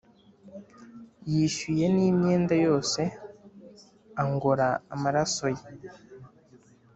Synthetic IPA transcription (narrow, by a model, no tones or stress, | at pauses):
jiʃuje̞niːmɲe̞ːndajo̞ːse̞ | aŋɡo̞ɾaːmaɾaso̞je